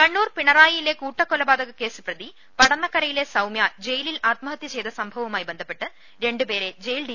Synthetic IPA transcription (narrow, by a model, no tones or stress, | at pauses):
kɐɳːuːrpiɳɐraːjɐjile̞kuːʈːɐkːolɐbaːd̪ɐɣɐke̞ːsɨ̥prɐd̪i | pɐɽɐnːɐkːɐɾɐjile̞sɐwmjaːd͡ʑe̞jililaːt̪̚mɐɦɐt̪jɐt͡ɕe̞jd̪ɐsɐmbʱɐʋɐʋumaːjibe̞nd̪ʱɐpːe̞ʈːɨ | ɾe̞ɳɖupe̞ːɾe̞d͡ʑejlɖi